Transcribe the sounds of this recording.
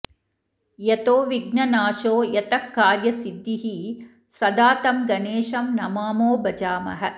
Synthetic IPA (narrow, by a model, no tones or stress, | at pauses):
jɐt̪oːʋiɡnɐnaːʃoːjɐt̪ɐkːaːɾjɐsid̪ːiɦi | sɐd̪aːt̪ɐmɡɐneːʃɐmnɐmaːmoːbɐd͡ʒaːmɐ̰ɦɐ̆